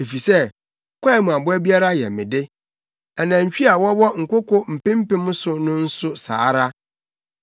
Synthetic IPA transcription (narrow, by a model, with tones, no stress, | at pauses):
e˨fi˨sɛ˦ | kʰʷa˦mũ˨a˨bʊ˦ɛ˦bi˦a˦ɾa˦jɛ̰˨mɪ̃˨dɪ˦ | ɛ˨nã˨ɲ̩˨t͡ɕᶣi˦a˨wɔ˦wɔ˦ŋ̩˨kʊ˦ko˦m̩˨pɪ̃˦m̩˦pɪ̃˦mʊ̃˦sʊ˨nʊ̃˦n̩˦sʊ˦sa̰ː˨˦ɾa˦